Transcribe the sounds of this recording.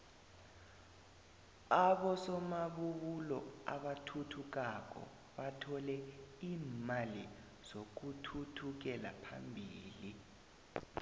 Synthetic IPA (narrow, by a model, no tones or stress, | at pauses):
aɓɔsɔmaɓuɓulɔa̰ɓatʰutʰuk̬ak̬ʼɔ̰ | ɓatʰɔlɛiːmali | z̥ok̬utʰutʰuk̬ɛla̰pʰa̰mbʱiːli